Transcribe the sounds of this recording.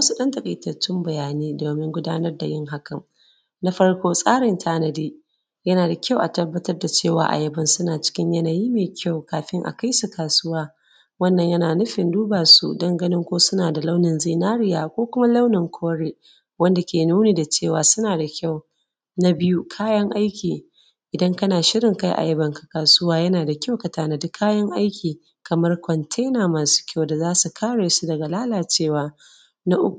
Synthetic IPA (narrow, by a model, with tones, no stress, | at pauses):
mɐ˦su˦ɗɐ˦ntɐ˨kʼi˨tɐ˨t͡ʃːɪ˦mbɐ˨jaː˨niː˦doː˨mɪ˦ŋɡʷʊ˦daː˦nɐ˦rda˨jɪ˦ŋɦa˦kɐ˨ŋ | na˦ɸɐ˦ɽkʷoː˦sʼaː˦ɽɪ˨ntʰaː˦nɐ˨diː˦ | jɐ˦naː˨da˨kʲa˦wʔa˨tɐ˦bːɐ˦tɐ˦rda˨t͡ʃeː˦˨wa̰ː˨ʔa̰˨jɐ˦bɐ˦nsʊ˦naː˨t͡ʃɪ̥˦kʲɪ˦ɲjɐ˦na˨jiː˦meː˨kʲʰa˦˨wkaː˨ɸɪ˦ŋʔa̰˨ka˦jsu˨kaː˨sʊ˦waː˦ | wɐ˦˨nːɐ˨ɲjɐ˦naː˨nʊ˦ɸɪ˨nduː˦baː˨sṵ˨dɐ˦ŋɡɐ˦nɪ˦ŋkʷoː˦sʊ˦naː˨da˨la˦wnɪ˨nzi˦˨naː˦ɽɪ˦jaː˨kʷoː˦kʷʊ˦ma˦la˦wnɪ˨ŋkʷʰoː˦ɽeː˦ | wɐ˦nda˨kʲeː˨nuː˦neː˨da˨t͡ʃeː˦˨waː˨sʊ˦naː˨da˨kʲa˦˨w | na˦bɪ˦ju˦kʰaː˦jɐ˦ŋʔa˦jkʲiː˨ | ʔɪ˨dɐ˦ŋkɐ˦naː˨ʃɪ˦ɽɪ˨ŋka˦jʔa̰˨jɐ˦bɐ˨ŋkḁ˨kaː˨sʊ˦waː˦jɐ˦naː˨da˨kʲa˦wkɐ˨taː˦na˨dʊ˦kʰːaː˦jɐ˦ŋʔa˦jkʲiː˨ | kɐ˨mɐ˦rkʷɔ˨ntʰe˦naː˨maː˨su̥˦kʲʰa˦˨wda˨zaː˦su˨kʰaː˦ɽeː˨su˦dɐ˨ɡa˨laː˦laː˨t͡ʃeː˦˨waː˨ | na˦ʔʊ˦kʷ